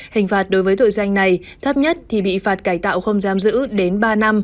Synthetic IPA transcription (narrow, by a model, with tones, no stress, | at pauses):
hï˨˩ŋ̟faː˨˩t̚ɗo˨˦jvəː˨˦t̪o̰˧˨jza˧jŋ̟na˨˩j | t̪ʰə˦˥p̚ɲə˦˥t̚t̪ʰi˨˩ɓḭ˧˨faː˨˩t̚kaː˧˩jt̪a̰ː˧˨wxə˧wŋ͡mzaː˨˦mzɨ̰˧˥ɗe˨˦nɓaː˧na˧m